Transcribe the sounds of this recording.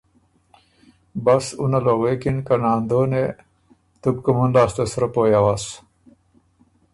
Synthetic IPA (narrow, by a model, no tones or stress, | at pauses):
bɐsunɐloːwekinkɐnaːnd̪oːne | t̪ubkumunlaːst̪esɾɐpoːjawaːs